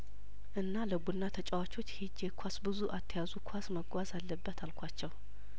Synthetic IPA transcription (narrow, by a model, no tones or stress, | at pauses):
ʔɨnːaləɡunːat̪ʰət͡ʃʼəwat͡ʃo̞t͡ʃːhid͡ʒekʷʰasbɨzuʔat̪ʰːəjazukʰwasməɡʷazalːəbːət̪ʰalkʷʰat͡ʃːɛw